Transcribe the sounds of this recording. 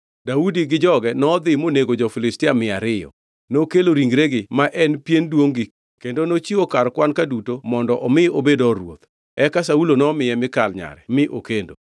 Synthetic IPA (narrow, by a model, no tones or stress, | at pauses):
daudiɡɪd͡ʒɔɡɛnɔːd̪ɪmoneɡod͡ʒɔfɪlɪstɪamɪaɾɪjɔ̰ | nokeloɾiŋɡɾeɡɪmaʔɛnpjendwoŋɡi | kendonot͡ʃiokaɾkwankadutomɔndɔʔɔmɪobedɔɾwo̰t̪ | ɛkasaulonɔmɪjɛmɪkalɲa̰ɾɛ̰mɪʔokendo